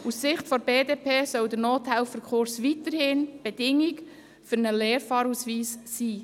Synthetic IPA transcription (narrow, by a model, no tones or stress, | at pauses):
ussɪχtfɔɾbeːdeːpʰeːsœwdəɾnoːthælfəɾkχʊɾsʋit̪əɾhɪnb̥edɪŋik | fʏɾnəleːɾfɑːɾusʋiːsːiː